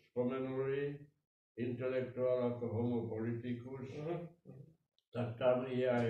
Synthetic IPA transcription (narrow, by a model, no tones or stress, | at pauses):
skomenoli | int̪elekt̪uɑlɑkohomopolit̪ikus | t̪ɑt̪ːɑmijæ